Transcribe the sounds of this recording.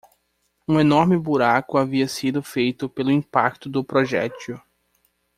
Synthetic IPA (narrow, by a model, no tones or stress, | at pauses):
ũenɔɾmɪbuɾakʊaviɐsid̪ʊfejt̪ʊpelʊĩpa̰k̚t̪ʊd̪ʊpɾoʒɛ̰t͡ʃʊ